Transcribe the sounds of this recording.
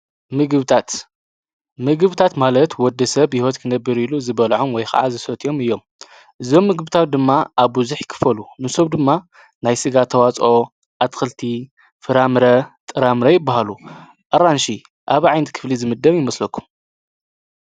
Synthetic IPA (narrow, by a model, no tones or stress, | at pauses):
mɨɡɨβt̪ʰat̪ | mɨɡɨβt̪ʰat̪malɐt̪wɔd̪ːɐsɐβjihot̪kʰɨnɐbːɨɾiluzɨβɐlʕomwɔjxɐ̰ʕa̰zɨsɐt̪ʰʼijo̞mɨjːo̞m | ʔɨzo̞mːɨɡɨbɨt̪ʰat̪̚d̪ɨmːaʔaβbuzuħkʰɨ̥fɐlumɨsoβd̪ɨmːa | najsɨɡat̪ʰːɐwat͡sʼo | ʔat̪xɨlt̪ʰi | fɨɾamɾɐt̪ʼɨɾamɾɐjɪbːaɦalu | ʔɐɾanʃi | ʔaβʕajnɨt̪kʰɨ̥flizɨmɨd̪ːɐβjɪmɐslɐkʰːu̥m